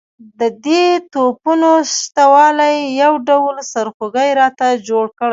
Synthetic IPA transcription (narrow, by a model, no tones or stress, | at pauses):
d̪əd̪et̪opunoʃt̪awɑlajːawɖawlsaɾxoɡəjɾɑt̪ad͡ʒoɽkəɽaj